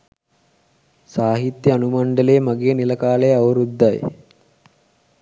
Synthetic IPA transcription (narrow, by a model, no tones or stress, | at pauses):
saːɦit̪jɐɐnumɐɳɖəleːmɐɡeːnilɐkaːlejɐʋɐɾud̪ːaj